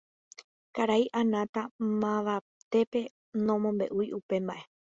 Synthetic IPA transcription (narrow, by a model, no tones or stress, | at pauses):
kaɾajʔãnãt̪amãʋa | t̪e̞pe̞ | nõmõ̞mbe̞̰ʔujʔupẽ̞mbaʔe̞